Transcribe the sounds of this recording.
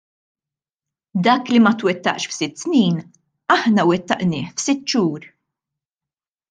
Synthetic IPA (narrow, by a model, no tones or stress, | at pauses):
d̪ɐːklimɐt̪wɛt̪ːɐ̰ʔʃfsɪt̪ːsniːn | ɐħnɐwɛt̪ːɐʔnɪːħfsɪt̪ːʃuːɾ